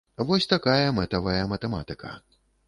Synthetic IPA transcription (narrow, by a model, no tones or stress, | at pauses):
vɔsʲt̪akajɐmɛt̪ɐvɐjɐmɐt̪ɛma̰t̪ɨkʰɐ̰